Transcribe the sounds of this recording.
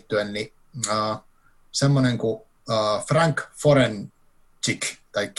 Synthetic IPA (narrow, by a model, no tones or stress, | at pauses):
t̪ːyenni | əː | semːoneŋkuː | fraŋkfoɾen | t͡ʃikt̪ɑikː